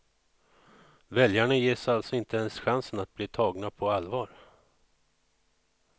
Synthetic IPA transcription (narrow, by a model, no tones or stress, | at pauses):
vɛljaɳajeːsalt̪sɔɪnt̪əɛnsɧansənat̪̚bliːt̪ʰɑːɡnapʰɔalvɑːɾ